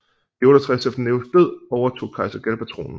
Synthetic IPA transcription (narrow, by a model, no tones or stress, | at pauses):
d̥iɔ̽ɾɐt͡sʰʁɛsefd̥neʊs̚b̥øð̰ˠɒʊɐt͡sʰo̝̰ːkʰɑ̈ɪsɐɡ̥ælpʰæt͡sʰʁo̰ːnn̩